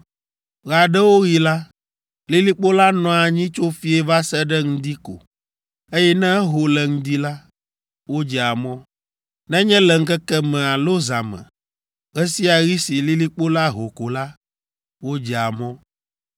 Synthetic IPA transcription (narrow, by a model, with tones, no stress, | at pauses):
ɣa˨ɖɛ˦wo˦ɣi˨la˦ | li˦li˦k͡po˦la˦nɔ̃˨a˨ɲĩ˦t͡ʃo˦fi˦ɛ˦va˦sɛ˦ɖɛ˦ŋ̩̃˦d̪i˦ko̰˨ | e˦jɛ˦nɛ̃˦ɦo˨lɛ˨ŋ̩̃˦d̪i˦la˦ | wo˦d͡ʒɛ˨a˨mɔ̃˦ | nɛ̃˦ɲɛ̃˦lɛ˨ŋ̩˦kɛ˦kɛ˦mɛ̃˨a˨lo˦za˨mɛ̰̃˨ | ɣɛ˦si˦a˨ɣi˦si˨li˦li˦k͡po˦la˦ɦo˨ko˨la˦ | wo˦d͡ʒɛ˨a˨mɔ̃˦